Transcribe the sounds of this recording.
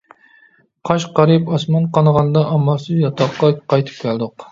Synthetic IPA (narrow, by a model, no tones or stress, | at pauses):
qʰɑʃqɑɾipɑsmɑnqɑnəʁɑnd̪ɑʔɑmɑlˠsɨzjɑt̪ʰɑqːɑqɑjt̪ʰɨ̥p̚kʲʰæld̪ʊq